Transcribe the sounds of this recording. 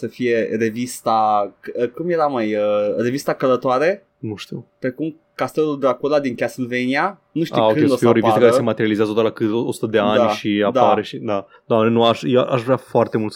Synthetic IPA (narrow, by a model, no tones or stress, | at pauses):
səfije̞re̞vist̪aəkumje̞ɾamajəre̞vist̪akələt̪oaɾe̞ | nuʃt̪iwpɾekum | kast̪eluld̪akolad̪iŋkʲasilvenia | nuʃt̪iuaokɨned̪əofieoɾevistaəkaɾesemat̪eɾializazət̪ot̪əlakɨt̪oosu̥t̪əd̪e̞anaʃiad̪aaɾeʃid̪a | d̪oamnenuaʃjeʔaʃvɾeafoart̪e̞mult̪s